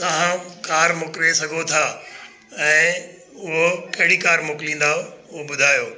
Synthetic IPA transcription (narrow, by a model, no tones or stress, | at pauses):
t̪ɐʋ̤ãkaːɾmʊkɾesɐɡʱot̪ʰaː | ɛ̃ː | ʊɦokɐɦɪɽikaːɾmʊklĩːn̆d̪aoʊobʊd̪ʱaːjoː